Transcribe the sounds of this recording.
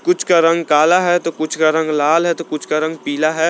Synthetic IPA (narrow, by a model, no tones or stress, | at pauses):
kʊt͡ʃʰkaɾɐ̃ŋɡkaːlaɦɛt̪okʊt͡ʃʰkaɾɐ̃ŋɡlaːlɦɛt̪okʊt͡ʃʰkaɾɐ̃ŋɡ̚piːlaɦɛ